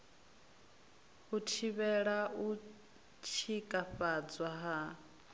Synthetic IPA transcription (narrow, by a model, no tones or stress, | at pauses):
hutʰiβɛɺaʔu | t͡ʃʰikʼaɸad͡zwaɦa